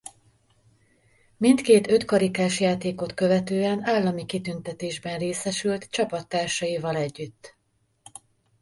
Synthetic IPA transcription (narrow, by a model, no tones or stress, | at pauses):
mint̪keːt̪ø̞t̪kɒɾikaːʃjaːt̪eːko̞t̪kø̞vɛt̪øːɛnaːlːɒmikit̪ynt̪ɛt̪eːʒbɛnreːsɛʃylt̪t͡ʃɒpɒt̪ːaːrʃɒjivɒlɛɟːyt̪ː